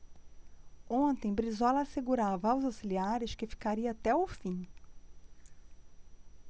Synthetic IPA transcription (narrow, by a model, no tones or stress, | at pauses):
õnt̪ẽj̃bɾizɔlɐːseɡuɾavɐawzawsiliaɾɪʃkɪfi̥kaɾiɐat̪ɛʊfĩ